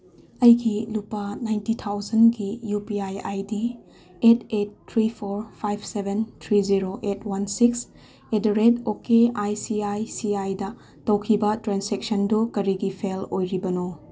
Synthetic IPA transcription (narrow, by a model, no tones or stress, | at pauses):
ɐjɡilupːɐnajntitʰawzɐnɡijupiaja̰jdi | etetːʰɾipʰoɾpʰajbʰsebʱent̪ʰɾiziɾoʔetwɐnsiks | edɐɾedokeajsiajsiajdɐ | tɐwkʰibɐtɾanseksɐndukɐɾiɡipʰelojɾibɐno